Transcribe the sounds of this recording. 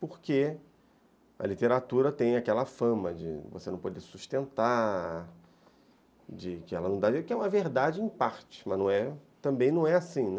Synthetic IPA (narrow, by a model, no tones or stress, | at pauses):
poɾke | ɐ̰lit̪eɾat̪uɾɐt̪ẽj̃akɛlɐfɐ̃mɐd͡ʒɪ̰vosenɐ̃w̃pod̪esuʃt̪ẽnt̪a | d͡ʒɪkɪɛlɐnɐ̃w̃d̪aikɪɛũmɐveɾd̪ad͡ʒɪẽj̃paɾt͡ʃɪ̥mɐ̃nũɛt̪ɐ̃mbẽj̃nɐ̃w̃ɛasĩn